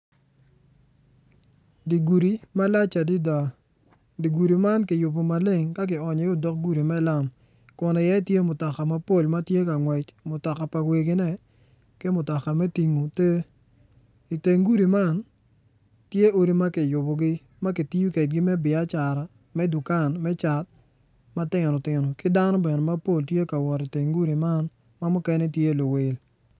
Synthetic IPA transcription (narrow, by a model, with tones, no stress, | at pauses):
di˨ɡu˨ɾi˨ma˦la˦t͡ʃa˨di˦da˨ | di˨ɡu˨ɾi˨ma˦nkɪ˨jʊ˨bo˨ma˨lɪ˦ŋka˦k̬ɪ˨ɔ˨ɲɔ˨o˦dɔ˦k̚ɡu˦ɾi˨mɛ˦la˦m | kɔ˨nɛ˨ja˦i˦tje˦mʊ˨tɔ˨ka˨ma˦po˦˨lma˦tje˦ka˨ŋwɛ˨t͡ʃmʊ˨tɔ˨ka˨pa˨we˨ɡɪ˦nɛ˦ | kɪ˦mʊ˨tɔ˨ka˨mɛ˦ti˨ŋo˨te˦ | i˨te˨ŋɡu˦ɾi˨ma˦˨n | tje˦o˨ɾi˦ma˦kɪ˨jʊ˨bɔ˨ɡɪ˦ | ma˦kɪ˨ti˦u˦ke˨t̚ɡɪ˦mɛ˦bɪ˨a˦t͡ʃa˨ɾa˨ | mɛ˦du˨ka˦˨nmɛ˦t͡ʃa˨t̚ | ma˦tɪ˦ŋnɔ˨tɪ˨nɔ˨kɪ˦da˦nɔ˦bɛ˨nɛ˨ma˦po˦˨ltje˦ka˨wɔ˨ɾi˨te˨ŋɡu˦ɾi˨ma˦n | ma˦mʊ˦kɛ˦nɛ˦tje˦˨lo˨we˨l